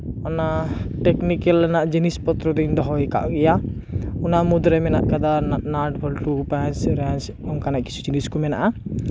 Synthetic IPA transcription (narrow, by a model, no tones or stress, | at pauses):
ɔnaʈɛknikelnaʔd͡ʒinispɔt̪ɾɔd̪ind̪ɔɦɔjka̰ʔɡɛjaunamud̪ɾɛmɛnaʔkad̪ananaʈbʱɔlʈupãt͡ʃɾãnt͡ʃ | ɔmkanaʔki̥t͡ʃʰu̥d͡ʒiniskumɛna̰ʔa